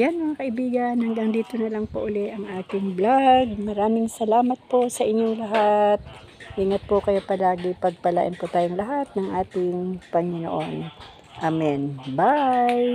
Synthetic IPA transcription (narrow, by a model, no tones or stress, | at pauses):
janmɐŋakɐʔɪbiːɡɐnhɐŋɡaŋd̪iːt̪onɐlaŋpoʔʊlɛʔɐŋʔaːt̪ɪŋblaɡ̚mɐɾaːmɪŋsɐlaːmɐt̪̚po̞sɐʔɪɲjoŋlɐɦat̪̚ | ʔiːŋɐt̪̚pokɐjo̞pɐlaːɡɪpɐɡ̚pɐla̰ʔɪ̰npot̪aːjoŋlɐɦat̪̚nɐŋʔaːt̪ɪŋpɐŋɪno̰ʔon | ʔamɛnbaj